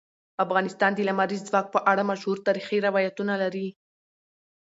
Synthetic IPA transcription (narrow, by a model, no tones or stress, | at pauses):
afɣɑnɪst̪ɑnd̪elamaɾizːwɑk̚pəʔaɽamaʃhuɾt̪ɑɾixiɾɪwɑjat̪unalaɾi